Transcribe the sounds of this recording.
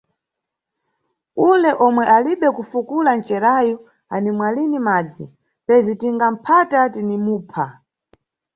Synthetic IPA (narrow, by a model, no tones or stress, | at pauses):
ulɛʔɔmwɛʔaliɓɛkufukulant͡ʃɛɾajɔ | animwalinimaːd͡zi | pɛzitiŋɡam̩pʰatatinimuːpʰa